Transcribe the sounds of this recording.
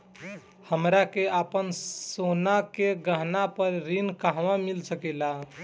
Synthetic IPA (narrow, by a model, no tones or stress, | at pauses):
həmɾakeʔapənsonakeɡəɦnapəɾɾinkaɦʋãmilsəkɛla